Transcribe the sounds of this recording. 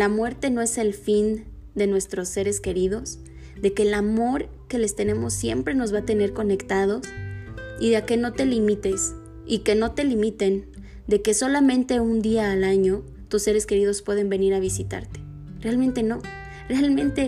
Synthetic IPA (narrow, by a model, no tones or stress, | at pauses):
lamwe̞ɾt̪e̞no̞e̞se̞lfin | d̪e̞nwe̞st̪ɾo̞sːe̞ɾe̞ske̞ɾiðo̞s | ðe̞ke̞ːlamo̞ɾ | ke̞le̞st̪e̞ne̞mo̞sːje̞̰mpɾe̞no̞zβat̪e̞ne̞ɾko̞ne̞kt̪að̞o̞s | iðeake̞no̞t̪e̞limit̪e̞s | ike̞no̞t̪e̞limit̪e̞n | d̪e̞ke̞so̞lamẽnt̪e̞und̪iaːlaɲo̞ | t̪usːe̞ɾe̞ske̞ɾið̞o̞spwe̞ð̞e̞mbe̞niɾaβisit̪a̰ɾt̪e̥ | realmẽ̞nt̪e̞no̞ | realmẽ̞nt̪e̞